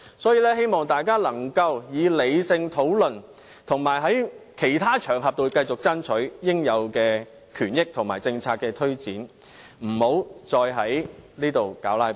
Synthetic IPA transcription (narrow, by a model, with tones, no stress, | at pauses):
sɔː˨˥jiː˧lɛː˥ɦe˥jmɔː˨ŋt̪aː˨jkaː˥lɐ˨˩ŋkɐ˧wjiː˨˧le˨˧jsɪ˧ŋt̪ʰo˨˥wlɵ˨n | t̪ʰʊ˨˩ŋmaː˨˩jɦɐ˨˥jkʰe˨˩jt̪ʰaː˥t͡ʃʰœː˨˩ŋɦɐ˨p̚t̪o˧wkɐ˧jt͡sʊ˨k̚t͡sɐ˥nt͡ʃʰɵ˨˥jɪ˥ŋjɐ˨˧wkɛː˧ | kʰyː˨˩njɪ˥k̚t̪ʰʊ˨˩ŋmaː˨˩jt͡sɪ˧ŋt͡sʰaː˧k̚ːɛː˧t̪ʰɵ˥ɥt͡siː˨˥n | m̩˨˩ho˨˥wt͡sɔː˧jɦɐ˨˥jliː˥t̪o˨wkaː˨˥wlaː˧˥j